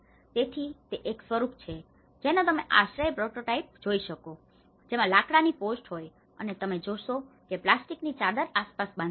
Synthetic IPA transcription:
t̪et̪ʰit̪eʔeksʋəɾuk̚ʰt͡ʃʰe | d͡ʒenãt̪əmeʔa̰ʃɾəjpɾoʈoʈaip̚d͡ʒoiʃəko | d͡ʒemãlakɽaniposʈɦoj | ə̰net̪əmed͡ʒoʃokeplasʈiknit͡ʃad̪əɾaspasbãn

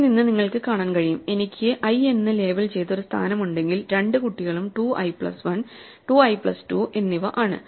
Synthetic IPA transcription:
ninːɨniŋːɐɭkɨkaːɳaːnkɐɻijume̞nikʲːɨʔɐje̞nːɨle̞ːbɐlt͡ɕe̞jt̪ːo̞ɾust̪ʰa̰ːnɐmuɳɖe̞ŋɡilɾe̞ɳɖɨkuʈːiɣɐɭumʈuːʔɐ̰jpɭɐ̰sʋɐn | ʈuːɐjpɭɐstuʔe̞nːiʋɐʔaːɳɨ̰

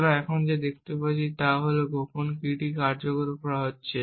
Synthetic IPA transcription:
ɾaɛkʰond͡ʑed̪ek̚ʰt̪epat͡ɕʰit̪aɦoloɡoponkiʈikaɾd͡ʑokoɾkɔɾaɦotːɕʰe

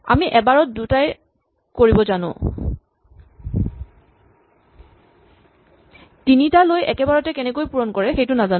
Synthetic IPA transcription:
a̰miʔɛbaɹɔt̚dutaj | koɹibɔzanʊ̰̃ | tinitalojɛkɛbaɹɔtɛkɛnɛkojpuɹɔnkɔɹɛxejtʊnazan

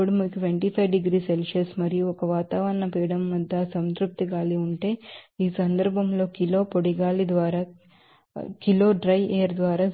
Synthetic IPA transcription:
ɽimukiʈʋeɳʈiːpʰɐjʋɖiɡɾiːselʃɐsmɐɾijuɔkɐʋaːt̪aːʋɐɾɐnɐpiːɽɐmːɐd̪ʱːɐsɐnt̪ɾup̚t̪iɡaːliuɳʈe̞ːiːsɐnd̪ɐɾbʱɐmlo̞ːkilo̞ːpoɽiɡaːlid̪ʋaːɾaː | kilo̞ːɖɾɐjʔeːɐɾd̪ʋaːɾaː

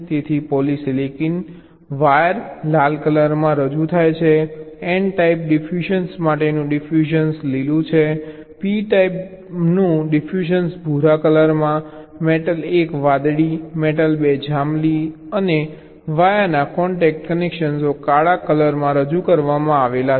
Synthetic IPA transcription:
t̪et̪ʰipɔliselekin | ʋajəɾlalkələɾmãɾəd͡ʒut̪ʰajt͡ʃʰeɛɳɖʈaip̚ɖifʰuʃənsmaʈenũɖifʰjuʃənslilũt͡ʃʰe | piʈajp | nũɖifʰjuʃənsbʱuɾakələɾmã | meʈəlekʋad̪ɽimeʈəlbed͡ʒamli | əne | ʋajanakɔɳʈɛk̚ʈkənekʃənsokaɭakələɾmãɾəd͡ʒukəɾʋamãaʋela

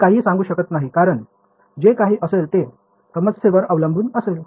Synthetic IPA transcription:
kaɦiːsãŋɡuːɕəkət̪naɦikaɾəɳ | d͡ʑekaɦiːʔəselt̪e | t̪ʰəmət͡sseʋəɾəʋləmbʱuːnəsel

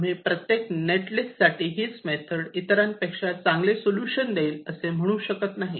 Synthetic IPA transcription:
m̤ipɾət̪jekneʈlisːaʈiːɦiːsmet̪ʰəɽit̪ɾãnpekʂat͡sãŋɡlesoljuɕənd̪eiːləsem̤əɽ̃uːɕəkət̪naɦi

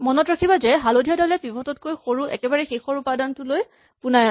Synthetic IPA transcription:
mɔnɔtɹakʰibazɛɦalodʱijadalɛpibʱɔtɔt̚kojxoɹuʔɛ̰kɛbaɹɛxexɔɹupadantʊloj | puna

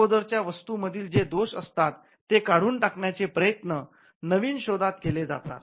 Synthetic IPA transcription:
od̪əɾt͡ɕjaʋəst̪uməd̪ʱiːld͡zed̪oɕə̰st̪at̪ːekaɽ̤uːnʈakɳjat͡sepɾəjət̪nə | nəʋiːnɕod̪at̪keled͡za̰t̪a̰t̪̚

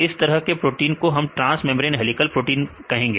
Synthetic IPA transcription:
ɪst̪ɐɾəɦkepɾoːʈiːnkoɦɐmʈɾãːsmɛ̃ːmɾeːnɦɛlɪkəlpɾoːʈiːnkɐɦẽːŋɡeː

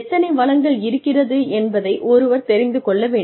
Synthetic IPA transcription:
t̪ːɐnɐɪʋɐɭɐŋɡɐɭɪɾɯkːɪrɐðɯɛnbɐðɐɪʔɔɾɯʋɐɾt̪ɛɾɪnd̪ɯkɔɭːɐʋeː

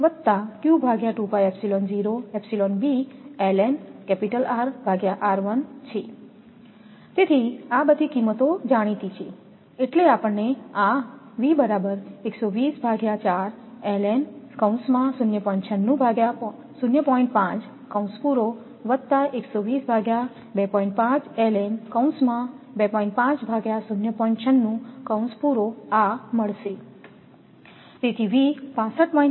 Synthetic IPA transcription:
ʋət̪ːakjubʱaɡjaʈupajɛpsilond͡ʒiɾoɛpsilonbiɛlɛnkɛpiʈəlaɾbʱaɡjaʔaɾʋənt͡ʃʰe | t̪et̪ʰiabəd̪ʱikimːət̪od͡ʒaɽ̃it̪it͡ʃʰe | eʈleapəɳːea | ʋibəɾabəɾeksoʋisbʱaɡjat͡ʃaɾ | ɛlenkə̃w̃smãsunjəpɔĩɳʈt͡ʃʰənːũbʱaɡja | sunjəpɔĩɳʈ̚pãt͡ʃ | kə̃w̃spuɾo | ʋət̪t̪ːaʔeksoʋisbʱaɡja | bepɔ̃ĩɳʈ̚pãt͡ʃɛlenkəw̃nsmãbepɔĩɳʈ̚pãt͡ʃbʱaɡjasunjəpɔĩɳʈt͡ʃʰənːũkəw̃nspuɾoaməɭʃe | t̪et̪ʰiʋipãsəʈ̚pɔĩn

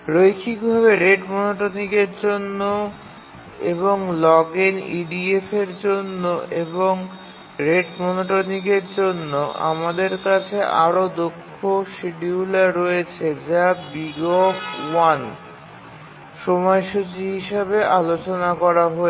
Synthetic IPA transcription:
ɾojkʰikbʱaβeɾeɖmonoʈoniɡeɾd͡ʑonːo | ḛβoŋlɔɡenḭɖiefeɾd͡ʑonːoeboŋ | ɾeɖmonoʈoniɡeɾd͡ʑonːoʔa̰mad̪eɾkat͡ɕʰeʔaɾod̪okʰːoʃiɖiulaɾɔet͡ɕʰed͡ʑabiɡofwan | ʃɔmɔeʃot͡ɕiɦiʃabeʔalot͡ɕonakɔɾaɦoe

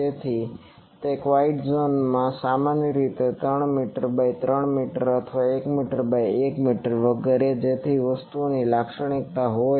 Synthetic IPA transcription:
d͡ʒet̪ʰi | t̪ekʋaiʈzonmãsamanjəɾit̪et̪ɾəɳmiʈəɾbajt̪ɾəɳmiʈəɾət̪ʰʋaekmiʈəɾbajekmiʈəɾʋəɡeɾed͡ʒet̪ʰiʋəst̪unilakʃəɽ̃ik̚t̪aɦoj

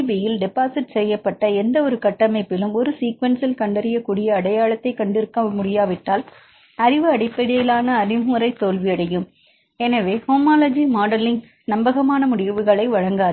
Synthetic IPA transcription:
bijɪlɖɛpaːsɪʈsɛjːɐpːɐʈːɐɛnd̪ɐɔɾɯkɐʈːɐmɐɪpːɪlɯmɔɾɯsiːkʋɐnsɪlkɐɳɖɐɾɪjɐkːuːɽɪjɐːɽɐjaːɭɐt̪ːɐɪkːɐɳɖɪɾɯkːɐmʊɽɪjaːʋɪʈːaːl | ɐɾɪʋɯɐɽɪpːɐɽɪjɪlaːnɐːɾɪmuːɾɐɪt̪ːoːlʋɪɐɽɐjɯm | ɛnɐʋeːhoːmaːlɐd͡ʒimaːɽɐlɪŋɡ | nɐmbɐɣɐmaːnɐmʊɽɪʋɯɣɐɭɐɪʋɐɻɐŋɡaː

